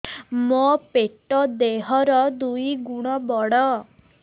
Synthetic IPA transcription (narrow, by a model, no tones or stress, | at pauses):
mɔpeʈɔd̪eɦɔɾɔd̪ujɡuɽ̃ɔbɔɽɔ